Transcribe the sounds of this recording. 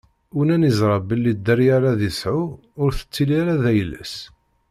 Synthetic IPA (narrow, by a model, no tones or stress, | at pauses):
unænizɾˤɑbəlːid̪ːəɾjaɾaðisʕʊ | ʊɾθə̥t͡sːiliɾaðæjəlːə̰s